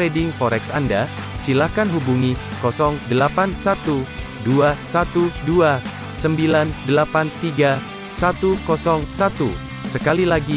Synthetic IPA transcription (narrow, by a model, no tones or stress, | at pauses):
ɾedɪŋfɔɾɛksanda | silahkanɦubuŋikɔsɔŋdəlapansat̪u | duasat̪udua | səmbilandəlapant̪iɡa | sat̪ukɔsɔŋsat̪u | səkalilaɡi